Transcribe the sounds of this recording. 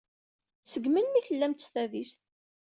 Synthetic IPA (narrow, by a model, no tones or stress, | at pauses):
səɡməlmiçəlːæmt̪ə̥sθæðist̪